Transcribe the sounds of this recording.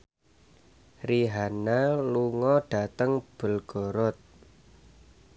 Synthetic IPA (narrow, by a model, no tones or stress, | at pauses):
riɦanaluŋɔɖ̥a̤t̪əŋb̥ə̤lɡ̥ɔ̤ɾɔt̪̚